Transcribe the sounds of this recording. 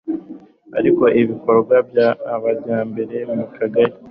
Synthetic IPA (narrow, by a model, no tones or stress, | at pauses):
a̰ɾiko̞ʔiβiko̞ɾɡwabjaːβaɾɟaːmbe̞ɾe̞mukaɡaɾi